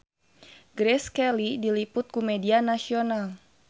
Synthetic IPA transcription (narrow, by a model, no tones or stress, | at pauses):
ɡɾɛskɛlidilipʊt̪̚kumɛdianasional